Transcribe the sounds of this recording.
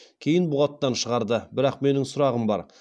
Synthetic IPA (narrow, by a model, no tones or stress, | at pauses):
kʲʰe̞jɪnbʊʁɑt̪ːɑnʃəʁɑɾd̪əbɪɾɑqme̞nɪŋsʊɾɑʁəmbɑ̰ɾ